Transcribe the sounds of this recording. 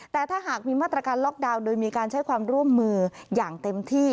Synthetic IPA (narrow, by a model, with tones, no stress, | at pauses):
tt̪ɛː˨˩t̪ʰaː˥˩ɦaː˨˩k̚miː˧maː˥˩t̪ɾa˧kaː˧nlɔː˦˥˩k̚daː˧wdoː˧jmiː˧kaː˧nt͡ɕʰa˦˥jkʰwaː˧mɾu˥˩əmːɯː˧jaː˨˩ŋt̪e˧mt̪ʰiː˥˩